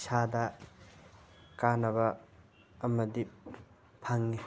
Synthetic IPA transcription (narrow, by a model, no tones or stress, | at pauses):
sadɐ | kanɐβɐː | mɐdi | pʰaŋni